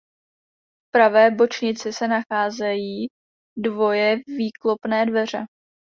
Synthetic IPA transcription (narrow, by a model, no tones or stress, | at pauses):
fpɾavɛːbo̞t͡ʃɲɪt͡sɪsɛnaxaːzɛjiː | dvo̞jɛviːklo̞pnɛːdvɛr̝ɛ